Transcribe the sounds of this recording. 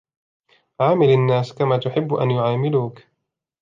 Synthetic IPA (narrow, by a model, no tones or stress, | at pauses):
ʕaːmɪlanːaːskamaːt̪ʊħɪbːʔa̰njʊʕaːmɪluːk